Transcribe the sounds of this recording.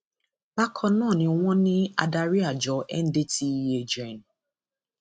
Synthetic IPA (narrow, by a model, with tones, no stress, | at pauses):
ba˦kʰɔ˦nɔ̃ː˦˨nɪ̃˨ŋʷɔ̃˦nɪ̃˦a̰˨da˨ɾi˦a˨d͡ʒɔ˨ʔɛ˦n̩˦de˦ti˦je˦d͡ʒe˨n̩˨